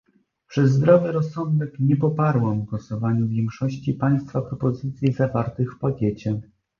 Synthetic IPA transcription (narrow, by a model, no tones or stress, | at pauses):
pʂɛzːd̪ɾɔvɘɾɔsːɔnd̪ɛkɲɛpɔpaɾwamɡwɔsɔvaɲuvʲjɛŋkʂɔɕt͡ɕipaj̃st̪fapɾɔpɔzɘt̪sʲjizavaɾt̪ɘxfpakʲɛt͡ɕɛ